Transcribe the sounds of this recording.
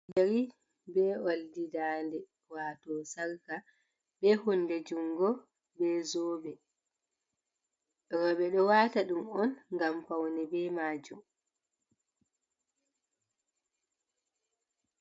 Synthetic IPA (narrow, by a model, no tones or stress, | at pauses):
d͡ʒaɾi | bɛoldidaːndɛ | waːtɔsaɾka | bɛhunːdɛd͡ʒumɡɔ | bɛzɔːbɛ | ɾɔɓɛɗɔwaːtaɗumɔnŋɡampawnɛbɛmaːd͡ʒum